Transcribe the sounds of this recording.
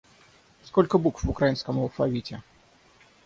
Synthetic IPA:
skolʲkəbukvvʊkɾɐjinskəmɐlˠfɐvʲitʲɪ

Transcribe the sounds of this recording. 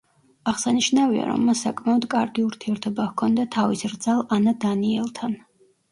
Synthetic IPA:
aʁsaniʃnavia̰ɾɔ̰mːasːakʼmaɔd̪kʼa̰ɾɡiuɾt̪ʰiɛɾt̪ʰɔbahkʰɔnd̪at̪ʰavisɾd̪zalˠanad̪aniɛlˠt̪ʰan

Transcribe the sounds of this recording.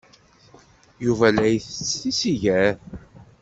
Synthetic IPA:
juvælæjθət͡sːθisiʝæ

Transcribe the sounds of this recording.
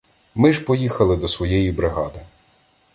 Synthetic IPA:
mɪʒpɔjixɐlˠɪd̪ɔsʋɔjɛjibɾɪɦɑd̪ɪ

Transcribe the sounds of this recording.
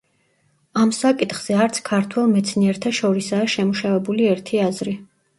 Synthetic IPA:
amsakʼit̪χz̥ɛaɾt̪sʰkʰaɾt̪ʰwɛlˠmɛt̪sʰniɛɾt̪ʰaʃɔɾisaːʃɛmuʃavɛbuliɛɾt̪ʰiazɾi

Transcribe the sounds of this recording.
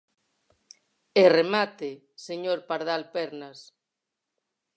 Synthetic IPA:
eremat̪e | seɲoɾpaɾðalpɛɾnas

